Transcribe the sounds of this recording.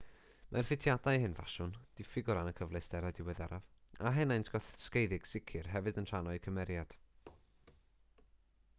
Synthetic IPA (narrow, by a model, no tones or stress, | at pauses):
mʔarfɪtʰjadajɦɨnva̰ʃʊnd̥ɪfɪɡʊɾanəkʰəvlˠɨsd̥ɛɾadɪwɛðɛɾavaɦɛnajntʰɡ̥ɔθskejðɪɡ̥sɪkʰɨrɦɛvɨdənr̥anɔɨkʰəmɛɾjad̥